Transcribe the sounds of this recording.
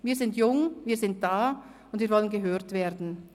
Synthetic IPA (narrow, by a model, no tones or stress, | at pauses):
viːɐzɪntjʊŋviːɐzɪnt̚d̥aːʊntviːɐɾvɔlənɡəɦøːɾtv̥eːdn̩